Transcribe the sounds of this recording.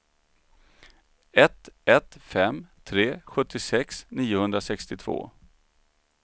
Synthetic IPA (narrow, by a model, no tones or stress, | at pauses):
ɛt̪ɛt̪fɛmt̪ʰɾeːɧɵt̪ʰːɪsɛksniːʊhɵnd̪ɾasɛkst̪ɪt̪ʰv̥o̰ː